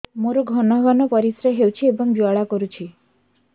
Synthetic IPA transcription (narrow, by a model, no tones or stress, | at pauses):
moɾoɡʱɔnɔɡʱɔnɔpɔɾisɾeɦewt͡ʃʰiebɔŋd͡ʒuaɭakɔɾut͡ʃʰi